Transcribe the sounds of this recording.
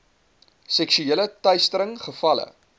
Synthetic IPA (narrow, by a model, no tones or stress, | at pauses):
sɛkʃyeːlətœɥstəɾəŋχəfɐlə̰